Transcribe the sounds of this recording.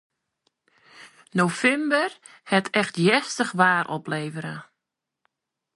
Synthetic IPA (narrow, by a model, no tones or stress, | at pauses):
nofɛmbər | hɛtʰɛxtjɛstəxʋaːɾʔɔ̰pleːvəɾə